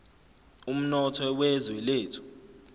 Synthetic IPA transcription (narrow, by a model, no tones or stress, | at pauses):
um̩nɔtʰɔwɛzwɛleːtʰu̥